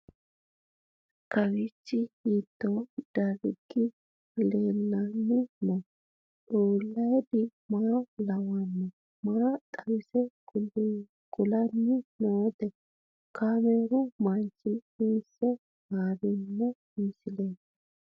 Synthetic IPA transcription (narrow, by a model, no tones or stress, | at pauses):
kɐwɪt͡ʃːɪhiːt̪ːɔd̪̥ɐɾɪɡɪ | leːlːɐnːɪnɔ | uːlːɐjd̪ɪmaːlɐwɐnːɛ | maːt̪ʼɐwɪsɛɡʊl | ɡ̥ʊlɐnːɪnoːt̪ɛ | kaːmeɾʊmɐnt͡ʃːɪiːsɛ | haːɾɪnːɛmisɪlen